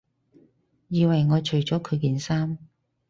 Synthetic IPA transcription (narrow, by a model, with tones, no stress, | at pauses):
jiː˨˧wɐ˨˩jŋɔː˨˧t͡ʃʰɵ˨˩ɥt͡ʃɔː˨˥kʰɵ˨˧ɥkiː˨˧nsaː˥m